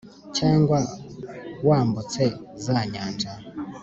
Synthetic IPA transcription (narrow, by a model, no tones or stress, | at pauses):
t͡ʃaŋɡwa | wambɔt͡sɛzaɲaːnd͡ʒa